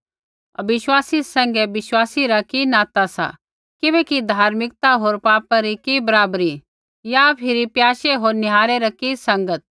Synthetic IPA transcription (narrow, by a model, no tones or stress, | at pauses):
ɐ̰bɪʃwaːsisɐ̃ŋɡɛbɪʃwaːsiɾɐkinãːt̪asa̰ | kɪbɛːkid̪ʱaːɾmɪk̚t̪aɦoːɾpaːpaɾikibɐɾaːbɾi | japʰɪɾipjaːʃeɦoːɾnɪɦaːɾeɾɐkisɐ̃ŋɡət̪̚